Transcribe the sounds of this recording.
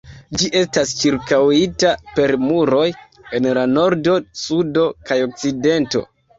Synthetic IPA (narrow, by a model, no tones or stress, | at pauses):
d͡ʒiʔe̞stast͡ʃiɾkawitape̞ɾmuɾo̞j | e̞nlano̞ɾdo̞sudo̞kajo̞k̚t͡side̞nto̞̰